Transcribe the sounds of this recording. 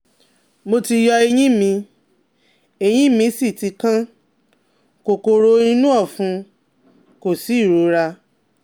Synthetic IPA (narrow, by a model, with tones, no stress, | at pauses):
mo˧ti˧jɔ˧e˧j̃ĩ˦mĩ˧ | e˨j̃ĩ˦mĩ˧˦si˦˨ti˧kã˦ | ko˨ko˧ɾo˧ĩ˦nũ˦ɔ˦˨fũ˨˧ | ko˦˨si˨˦˨ɾo˨˦ɾa˧